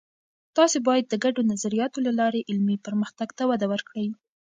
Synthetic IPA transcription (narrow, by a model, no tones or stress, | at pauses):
t̪ɑsebɑjad̪̚ːəɡaɖonazaɾijɑt̪olalɑɾeʔɪlmipəɾməxt̪aɡt̪awad̪awəɾkɽəwi